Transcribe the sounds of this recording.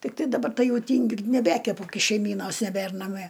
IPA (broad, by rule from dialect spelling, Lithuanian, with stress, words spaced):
tʲɪkˈtɐɪ dɐˈbɐr ˈtɐɪ ˈjɛʊ ˈtʲiːŋʲɡʲʊ ɪr nʲɛˈbʲæːkʲɛpʊ ˈkɐɪ ʃʲɛɪˈmʲiːnoːs nʲɛˈbʲær nɐˈmʲiɛ